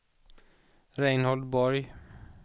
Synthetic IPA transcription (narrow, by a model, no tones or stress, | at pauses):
ɾɛɪnhɔld̪bɔɾj